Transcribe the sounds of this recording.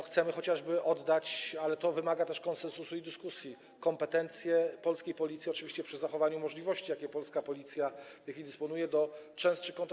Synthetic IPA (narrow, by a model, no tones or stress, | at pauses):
xt̪sɛmɘxɔt͡ɕaʐbɘʔɔd̪ːat͡ɕalɛt̪ɔvɘmaɡat̪ɛʂkɔ̃nsɛnsusuid̪ɘskusʲji | kɔmpɛt̪ɛnt̪sʲjɛpɔlskʲejpɔlʲit̪sʲiɔt͡ʂɨvʲiɕt͡ɕɛpʂɘzaxɔvaɲumɔʐlʲivɔɕt͡ɕijakʲɛpɔlskapɔlʲit̪sʲjaft̪ɛjxʲfʲilʲid̪ɨspɔnujɛd̪ɔt͡ʂɛ̃w̃st̪ʂɘkɔnt̪